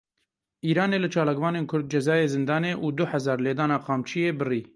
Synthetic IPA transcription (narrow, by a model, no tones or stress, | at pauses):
ʔiːɾɑːneːlɨt͡ʃʰɑːlaːkvɑːneːnkʰʊɾd̪̚d͡ʒɛzɑːjeːzɨnd̪ɑːneːʔuːd̪ʊhɛzɑːɾleːd̪ɑːnɑːqɑːmt͡ʃʰijeːbɨriː